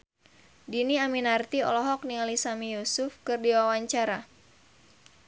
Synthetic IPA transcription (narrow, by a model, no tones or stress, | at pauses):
diniaminart̪iɔ̰lɔɦɔk̚nialisamijusʊfkɨrdiwawaɲt͡ʃaɾa